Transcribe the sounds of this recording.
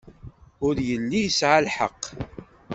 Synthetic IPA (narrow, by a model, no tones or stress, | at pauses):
ʊɾjəlːijəsʕalħəqː